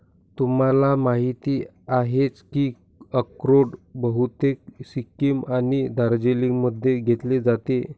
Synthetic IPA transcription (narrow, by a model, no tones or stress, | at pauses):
t̪umalamaɦit̪iː | aɦet͡skiː | əkɾoʈbəɦut̪ek̚sikːimanid̪ʱaɾd͡ʑeliməd̪ʱːeɡʱet̪led͡zat̪e